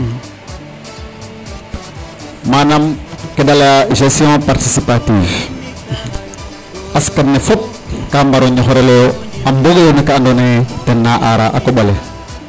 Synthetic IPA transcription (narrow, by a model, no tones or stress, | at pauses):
manamkedalaʒestijõpaɾtisipatiːv | askannefop̚ | kambaɾoɲoxoɾeloamboɡonekaandonetenːaʔaɾaʔakoɓole